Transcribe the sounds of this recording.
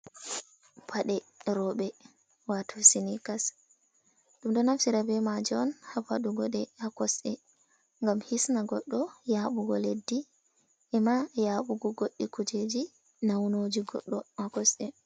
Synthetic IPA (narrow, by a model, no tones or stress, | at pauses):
pʰaɗɛɾɔɓɛ | watʰusinikas | ɗumɗɔnafsiɾabɛmad͡ʒɔnhapaɗuɡɔɗɛakɔsʔɛ | ŋɡamhisnaɡɔɗːɔjaːɓuɡɔledːi | ʔɛmajaːɓuɡɔɡoɗːikud͡ʒed͡ʒi | nawnod͡ʒiɡɔ̰ɗːɔakɔsɛ